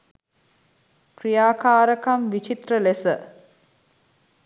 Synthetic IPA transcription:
krijaːkaːɾəkamʋit͡ʃit̪rəlesə

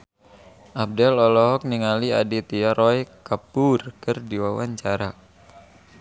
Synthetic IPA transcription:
ʔab̚dɛlɔlɔɦɔk̚niŋaliadit̪iaɾɔjkapurkɨrdiwawaɲt͡ʃaɾa

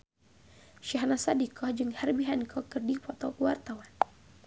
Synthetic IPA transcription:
ʃaɦnasadikɔhd͡ʒɨŋhɛrbiɦankʰɔkɨrdipɔt̪ɔkuwart̪awan

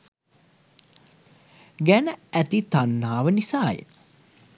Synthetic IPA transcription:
ɡænəæt̪it̪anːaːʋənisaːjḛ

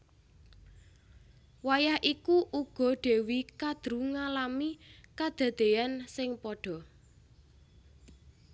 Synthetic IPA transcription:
wajahʔikuʔuɡ̥ɔ̤ɖ̪̥e̤wikad̪̥ɾuŋalamikad̪̥ä̤d̪̥e̤ansɪŋpɔɖ̥ɔ̤

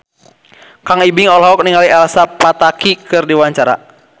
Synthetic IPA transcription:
kaŋibiŋɔlɦɔk̚niŋaliɛlsapat̪akikɨrdiwaɲt͡ʃaɾa̰

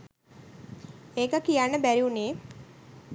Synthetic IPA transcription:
eːkəkijanːəbæɾiuneː

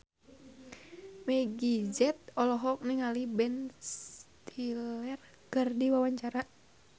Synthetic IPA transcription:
mɛɡid͡ʒɛt̪̚ɔlɔɦɔk̚niŋalibɛnst̪ʰilɛr | kɨrdiwawaɲt͡ʃaɾa

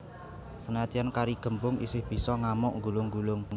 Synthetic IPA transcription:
sənad̪̥iankaɾiɡ̥ə̤mbʊŋḭsɪhb̥i̤sɔŋamʊʔŋɡulʊŋɡulʊŋ

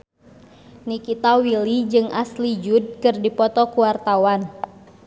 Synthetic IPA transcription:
nikit̪awilid͡ʒɨŋʔaslid͡ʒud̚kɨrdipɔt̪ɔkuwart̪awan

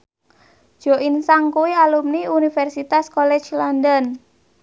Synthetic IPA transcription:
d̥ʒ̥ɔinsaŋkuwialumniunifɛrsit̪askolɛ̥t͡ʃlɔndən

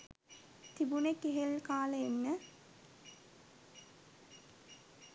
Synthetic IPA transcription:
t̪ibunekːeɦelkaːlɐenːə

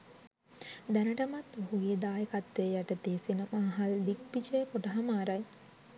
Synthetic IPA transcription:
d̪ænəʈəmat̪oɦuɡeːd̪aːjəkat̪ːejaʈət̪eːsinəmaːɦald̪ik̚pit͡ʃəjkoʈəɦamaːɾaj

